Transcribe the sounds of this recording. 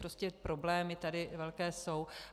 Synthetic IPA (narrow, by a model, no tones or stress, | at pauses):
ɾo̞scɛpɾo̞blɛːmɪt̪adɪvɛlkɛːso̞w